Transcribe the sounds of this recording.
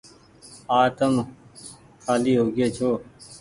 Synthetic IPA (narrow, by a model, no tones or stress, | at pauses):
aːt̪əm | kʰaːliːɦoːɡeːt͡ʃʰoː